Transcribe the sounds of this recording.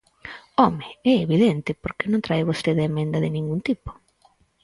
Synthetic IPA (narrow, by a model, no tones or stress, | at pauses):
ɔmeɛeβiðent̪ɪpoɾkenõnt̪ɾajβost̪eðemẽnd̪aðɪnĩŋɡunt̪ipo̥